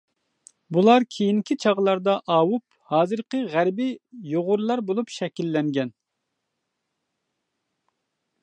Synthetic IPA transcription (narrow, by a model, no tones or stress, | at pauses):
bulˠɑɾkʲʰejiŋkʲʰit͡ʃʰɑʁlˠɑɾd̪ɑʔɑːwup̚ | hɑːzɨɾqəʁæɾbijoʁʊɾlˠɑɾbolˠupʃɛkʲilːɛŋɡʲɛn